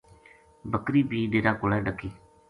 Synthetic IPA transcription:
bəkɾiːbiːɖeːɾaːkʊlɛːɖəkːiː

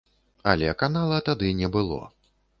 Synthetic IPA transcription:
ɐ̰lʲɛkanalˠɐt̪ad̪ɨnʲɛbɨlˠɔ̰

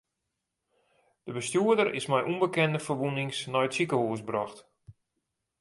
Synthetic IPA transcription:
d̥əbəstjuədəɾɪsmɛjʔumbəkɛndəfərʋunɪŋsnɔjətsikəhuəsbrɔxt

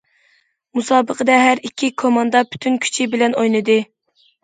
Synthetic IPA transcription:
musɑːbəqʰəd̪ɛɦæɾikʲʰːikʰomɑnd̪ɑpʰy̥t̪ʰynkʲʰy̥t͡ʃʰibɪlɛnojnˠɨd̪ɨ

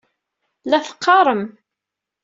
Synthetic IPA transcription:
læθə̥qʰːɑɾˤəm

